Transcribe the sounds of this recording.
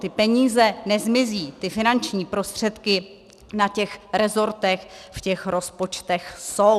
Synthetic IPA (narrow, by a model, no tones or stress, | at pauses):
t̪ɪpɛɲiːzɛnɛzmɪziːt̪ɪfɪnant͡ʃɲiːpɾo̞st̪r̝̥ɛt̪kɪ | nacɛxɾɛzo̞ɾt̪ɛxfcɛxɾospo̞t͡ʃt̪ɛxso̞w